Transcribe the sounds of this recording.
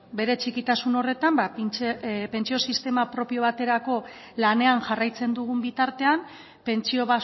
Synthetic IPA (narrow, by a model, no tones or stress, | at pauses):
be̞ɾe̞t͡ʃikit̪asuno̞re̞t̪amba | pe̞nt͡sio̞sist̪e̞mapɾo̞pio̞β̞at̪e̞ɾako̞ | lane̞anʝarajt͡se̞nd̪uɣumbit̪aɾt̪e̞am | pe̞nt͡sio̞βa